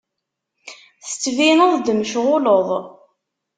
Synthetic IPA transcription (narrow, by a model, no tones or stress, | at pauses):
θə̥t͡sːvinəðˤd̪məʃʁʊləðˤ